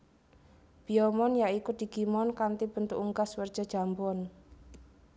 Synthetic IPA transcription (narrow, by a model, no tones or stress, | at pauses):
b̥iɔmɔnjaikud̪̥i̤ɡ̥imɔnkant̪ib̥ənt̪uʔuŋɡaswərd̥ʒ̥a̤̥ʒ̥a̤mbɔn